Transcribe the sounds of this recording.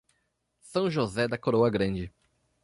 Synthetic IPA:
sɐ̃w̃ʒozɛd̪ɐkoɾowɐɡɾɐ̃d͡ʒɪ

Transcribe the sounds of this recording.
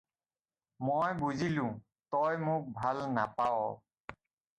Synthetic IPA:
mojbuzilʊ̃ | tɔjmʊk̚bʱalnapaɔ

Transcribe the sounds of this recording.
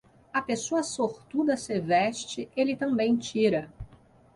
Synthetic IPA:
ɐpesoɐsoɾt̪ud̪ɐsevɛʃt͡ʃɪelɪt̪ɐ̃mbẽj̃t͡ʃiɾɐ

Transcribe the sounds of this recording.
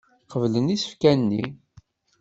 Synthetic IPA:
qəvlənisə̥fkænːi

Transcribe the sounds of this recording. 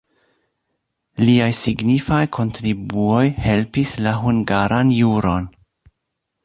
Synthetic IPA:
liajsiɡnifajkʰo̞ntɾibuo̞jhe̞lpislaɦuŋɡaɾanjuɾo̞n

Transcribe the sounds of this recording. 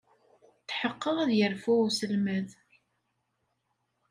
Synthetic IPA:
θħəqːəʁæðjəɾfʊsəlməð

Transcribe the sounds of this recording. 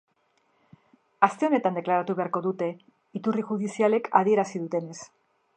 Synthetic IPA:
ast̪e̞o̞ne̞t̪and̪eklaɾat̪uβe̞aɾko̞ðut̪e̞ | it̪uriʝuðisiale̞kʰað̞ie̞ɾasiðut̪e̞ne̞s

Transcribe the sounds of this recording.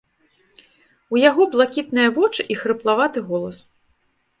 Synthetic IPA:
ujaɣɔblˠakʲit̪̚nɨjɐvɔt͡ʂɨʔixɾɨplˠavat̪ɨɣɔlˠɐs

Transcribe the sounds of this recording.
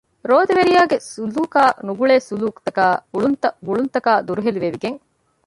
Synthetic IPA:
ɾoːd̪eʋeɾijaːɡesuluːkaːnuɡuɭeːsuluːkt̪ɐkaːɡuɭunt̪ɐɡuɭunt̪ɐkaːd̪uɾuɦeliʋeʋiɡeŋ

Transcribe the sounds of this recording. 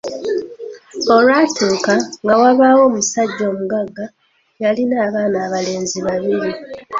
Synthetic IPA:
o̞lwatʰuːkaŋɡawaβaːwo̞ːmusaɟːo̞ːmuɡaɡːa | jalinaːβaːnaːβale̞ːnziβaβiɾi

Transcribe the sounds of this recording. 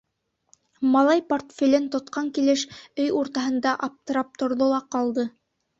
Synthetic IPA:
mɑlˠɑjport̪fʲilɘnt̪ŏt̪qɑŋkilɘʃɵjuɾt̪ɑɦɤ̆nd̪ɑʔɑp̚t̪ɤ̆ɾɑp̚t̪ŏɾðolˠɑqɑlˠd̪ɤ

